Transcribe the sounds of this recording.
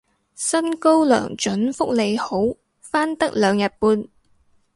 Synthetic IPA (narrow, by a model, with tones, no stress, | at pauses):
sɐ˥nko˥wlœ̰ː˨˩ŋt͡ʃɵ˨˥nfʊ˥k̚le˨˧jho˨˥w | faː˥nt̪ɐ˥k̚lœː˨˧ŋjɐ˨t̚puː˧n